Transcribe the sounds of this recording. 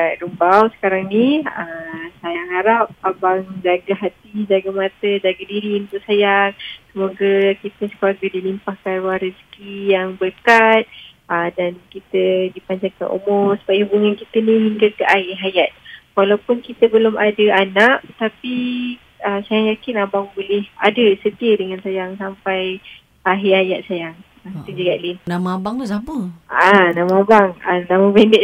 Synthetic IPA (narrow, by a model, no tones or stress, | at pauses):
adumbawsə̥kaɾaŋniəsajaɦaɾap̚ːabaŋd͡ʒaɡaɦat̪id͡ʒaɡamat̪əd͡ʒaɡadiɾiunt̪ʊʔsajaŋsəmoɡakit̪əsə̥kuaɡədilimpahkarwaɾiskijaŋbərkat̪̚ | ədankit̪ədipaɲd͡ʒaŋka̰nʔo̰mɔsə̥bajihubuŋankit̪ənĩɦiŋɡakəʔaɦɪɦajat̪̚walawpʊnkit̪əbəlʊmʔadəanaʔt̪api | əsajaŋjakɪnabaŋbolɛha̰dəsət̪iədəŋansajaŋsampaj | ʔaɦiajaʔ̪̚sajaŋ | at̪əd͡ʒəɡaʔlinnamaabaŋt̪usapəanãmaabaŋanãməbɛndɛ